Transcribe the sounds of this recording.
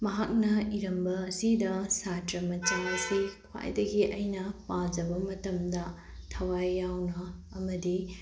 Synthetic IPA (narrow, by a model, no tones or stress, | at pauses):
mɐɦak̚nɐiɾɐmbɐːsidɐsatɾɐmɐt͡ʃaɐsikʰwa̰jdɐɡiʔɐjnɐpad͡ʒɐbɐmɐtɐmdɐ | tʰɐwajːawnɐːmɐdi